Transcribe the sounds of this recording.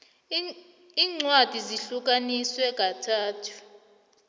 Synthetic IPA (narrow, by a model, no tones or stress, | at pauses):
iːŋ͡ǀwad̥ʱiziɬuk̬aniswɛk̬ʼatʰaːtʰu̥